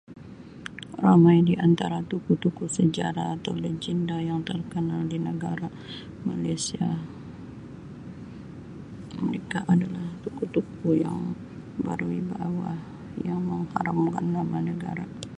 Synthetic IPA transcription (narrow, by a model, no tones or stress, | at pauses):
ramajdiʔant̪aɾat̪ukut̪ukusəd͡ʒaɾaːt̪awləd͡ʒindajaŋt̪ərkənaldinəɡaɾa | malasia | məɾekaʔadalaht̪ukut̪ukuja̰ŋ | ba̰ɾuibawah | jaŋməŋhaɾamka̰nːamanəɡa̰ɾa